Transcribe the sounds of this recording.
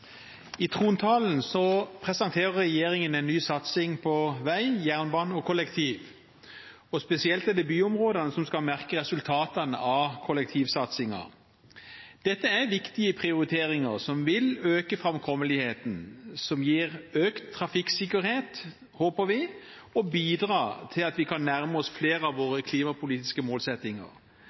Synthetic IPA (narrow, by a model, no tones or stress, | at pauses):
ɪt̪ʰʁuːnt̪ʰɑːln̩sɔpʰɾɛsɑnt̪ʰeːɾəɾɛjeːʁɪŋənɛɪnːyːsɑt̪sɪŋpʰɔʋæɪjæːʁnbɑːnɔkʰɔlɛkt̪ʰiːʋ | ɔspɛsɪɛlt̪ɪɛd̪ɛbyːʊmʁoːd̪ɑnəsɔmskɑlmæʁkəʁɛsʉlt̪ʰɑːt̪ɑnəɑkʰɔlɛk̚t̪ʰiːʋsɑt̪sɪŋɑ̰ | d̪̥ɛt̪ːəæʋɪkt̪ɪəpʰʁɪʊɾɪt̪ʰeːʁɪŋəʁsɔmʋɪløːkəfɾɑmkʰɔməlɪheːt̪n̩sɔmjiːʁøːkt̪ʰːʁɑfɪksɪkəɾheːt̪ | hoːpəɾʋɪ | ɔbiːd̪ʁɑːt̪ʰɪlɑt̪ʋɪkʰɑnːæɾməɔsfleːɾəɑʋʋoːʁəkʰliːmɑpʰʊliːt̪ɪ̥skəmoːlsɛt̪ːɪŋə̰ʁ